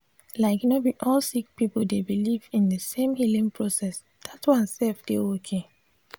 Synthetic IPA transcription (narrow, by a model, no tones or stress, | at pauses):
laɪknobiʔɔlsik̚pipl̩debilivĩndəsẽmhilĩŋpʰɹosɛs | d̥atwãnsɛlfdeokʰe